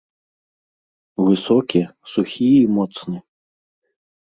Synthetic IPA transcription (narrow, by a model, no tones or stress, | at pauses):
vɨsɔkʲisuxʲiimɔt̪snɨ